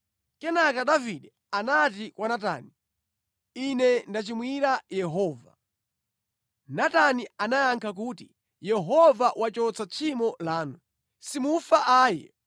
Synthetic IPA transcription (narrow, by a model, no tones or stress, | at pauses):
kɛnakaɗaviɗɛ | anat̬ikwanata̰ni | inɛndat͡ʃimwiɾajɛɦɔːva̰ | natanianajaŋkʰak̬uːti | jɛɦɔvawat͡ʃɔt͡sat͡ʃʰimɔlaːnu | simufaʔaːjɛ̰